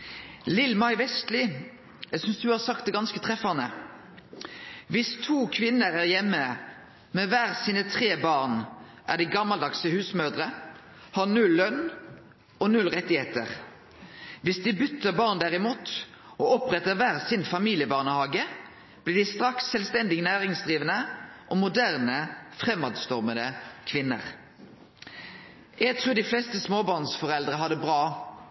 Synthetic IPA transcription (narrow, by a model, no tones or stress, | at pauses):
lɪlmɑɪʋɛst̪lɪ | sʏnsd̪ʉhɑːsɑk̚t̪̚ɛɡɑnskət̪ʰʁɛfɑnə | ʋɪst̪ʰuːkʰʋɪnːəɾæʁjɛmːə | mɛʋæːʁsiːnət̪ʰʁeːbɑːʁnʔæ̰ʁd̪iɡɑmɑld̪ɑksəhʉːsmœʁd̪ʁə | hɑnʉlːœn | ɔnʉlʁɛt̪ɪheːt̪ə̰ʁ | ʋɪsd̪ɪbʏt̪ːəbɑːʁnd̪æːʁɪmuːt̪ | ɔɔpʁɛt̪ːəʋæːʁsɪnfɑmiːlɪəbɑːʁnəhɑːɡə | b̥lɪːʁd̪ɪst̪ʁɑksɛlst̪ɛnd̪ɪɡnæːʁɪŋsd̪ʁiːʋənəʔɔmʊd̪æʁnəfʁɛmːɑːd̪st̪ɔʁməd̪əkʰʋɪnːə̰ʁ | jæɪɡt̪ʰʁuːd̪ɪflɛst̪əsmoːbɑːʁnsfɔʁɛld̪ʁəɦɑd̪əbʁɑː